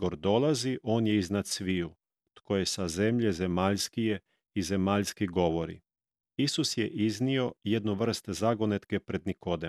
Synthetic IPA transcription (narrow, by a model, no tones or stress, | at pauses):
oɾd̪o̞lˠaziʔo̞ːnjeiznat̪sʋiju | t̪ko̞je̞saze̞mʎe̞zemaːʎskije | ize̞maːʎskiɡo̞ʋo̞ɾḭ | isusjeʔiznio̞jed̪nuʋr̩st̪ezaɡonet̪kepɾe̞d̪niko̞d̪e